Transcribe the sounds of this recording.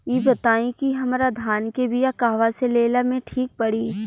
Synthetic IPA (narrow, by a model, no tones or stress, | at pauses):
jiːbɐt̪aːĩkiɦɐmɾad̪ʱaːnkebɪjakaːʋaseleːlamẽʈʰiːk̚pɐɽiː